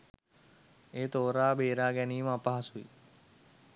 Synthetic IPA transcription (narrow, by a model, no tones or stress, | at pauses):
eːt̪oːɾaːbeːɾaːɡɛniːmapaɦasuḭ